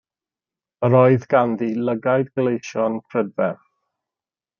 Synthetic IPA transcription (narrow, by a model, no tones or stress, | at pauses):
əɾɔɨðɡanðiləɡajdɡlejʃɔnpʰrədvɛ